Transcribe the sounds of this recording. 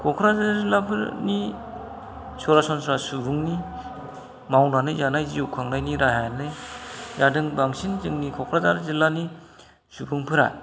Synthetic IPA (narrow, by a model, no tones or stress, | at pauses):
kʰɔkʰɾazaɾzilapʰɯɾni | sɔɾasɔnsɾasubuŋni | mawnanɯzanajziukʰaŋnajniɾaɦajnɯzadɯŋbaŋsinzɯŋnikʰɔkʰɾazaɾzilːani | subuŋpʰɯɾa̰